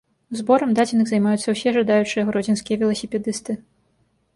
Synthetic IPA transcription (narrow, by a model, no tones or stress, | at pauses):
uzbɔɾɐmd̪ad͡zʲinɨɣzɐjmajut̪sːɐwsʲɛʐad̪ajut͡ʂɨjɐɣɾɔd͡zʲinskʲijɐvʲɛlˠɐsʲɛpʲɛd̪ɨst̪ɨ